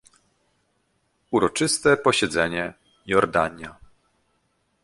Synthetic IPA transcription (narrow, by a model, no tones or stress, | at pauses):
uɾɔt͡ʂɘst̪ɛpɔɕɛd̪zɛɲɛ | jɔɾd̪aɲja